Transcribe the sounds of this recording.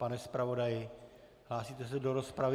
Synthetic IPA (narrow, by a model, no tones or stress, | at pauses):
panɛspɾavo̞dajɪ | ɦlaːsiːt̪ɛs̬ɛdoɾospɾav